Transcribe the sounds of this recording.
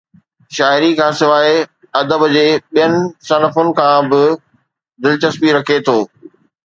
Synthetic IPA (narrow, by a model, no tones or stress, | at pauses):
ʃaːɪɾikʰãːsɪʋaːe | ɐd̪əbd͡ʑeːɓijənɪ̆sɐnəfʊnɪ̆kʰãːbɪ | d̪ɪlt͡ɕɐspiɾɐkʰet̪ʰoː